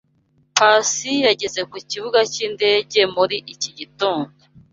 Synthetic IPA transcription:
ǁasijaɟeze̞kuciβuɡaciːnde̞ːɟe̞muɾiʔiciɟitoːŋɡo

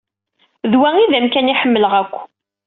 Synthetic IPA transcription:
ðwæŋiðæmkæniħəmːələʁækʷː

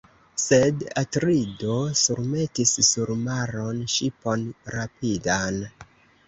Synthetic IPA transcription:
se̞da̰tɾido̞suɾme̞tisːuɾmaɾo̞nʃipo̞nɾapidan

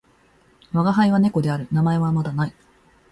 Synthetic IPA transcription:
βaɡaɦaiβane̞ko̞d̪e̞aɾɯ̟namae̞βamad̪anai

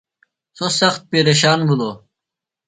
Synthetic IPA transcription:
sosɐxt̪̚peːɾeɕaːnbulo

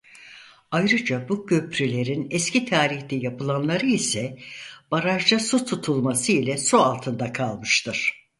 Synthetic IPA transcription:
ajɾɯd͡ʒabukʰø̞pɾylʲe̞ɾinɛscʰit̪ʰaːɾiçt̪ɛjapɯlˠanlˠaɾɯisɛb̥aɾaʒd̪asut̪ʰut̪ʰulˠmasɯilʲɛsualˠt̪ʰɯnd̪akʰalˠmɯʃt̪ʰɯɾ̥

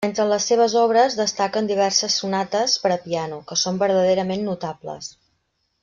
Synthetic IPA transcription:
ent̪ɾələsːeβ̞əzɔβ̞ɾəzðəst̪akənd̪iβ̞ɛrsəsːunat̪əspəɾəpianukəsombəɾð̞əðeɾəmenːut̪aplə̰s

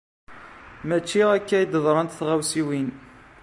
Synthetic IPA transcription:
mæt͡ʃːiækːæjd̪əðˤɾˤɑnt̪θʁæwsiwin

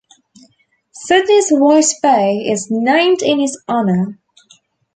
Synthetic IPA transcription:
sɪdⁿnizwɔɪsbeɪɪznẽɪ̃mdɪ̃nɪzɑnə

